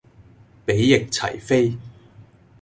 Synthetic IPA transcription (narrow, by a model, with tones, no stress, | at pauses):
pe˨˥jːɪ˨k̚t͡sʰɐ̰˨˩jfe˥j